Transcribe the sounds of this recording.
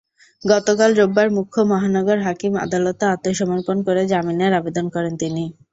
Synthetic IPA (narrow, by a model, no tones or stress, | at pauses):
ɡɔt̪okalɾobːaɾmukʰːomɔɦanɔɡoɾɦakima̰d̪alot̪eat̪ːoʃɔmoɾkonkoɾed͡ʑamineɾabed̪onkɔɾent̪ini